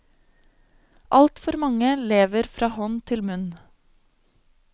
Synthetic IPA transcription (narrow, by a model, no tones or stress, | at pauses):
ʔɑlt̪fɔɾmɑŋəleːʋəɾfɾɑːhɔnt̪ʰɪlmʉn